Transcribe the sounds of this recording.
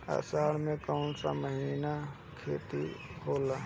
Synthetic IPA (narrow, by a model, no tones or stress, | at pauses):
ə̰saːɾmẽkəʊnsa̰məɦiːna | kʰḛːt̪ihola